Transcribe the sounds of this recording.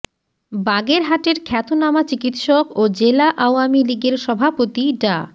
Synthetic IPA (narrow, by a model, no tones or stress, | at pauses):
baɡeɾɦaʈeɾkʰɛt̪onamat͡ɕikit̪ʃokod͡ʑelaʔaoamiliɡeɾʃɔbʱapot̪iɖa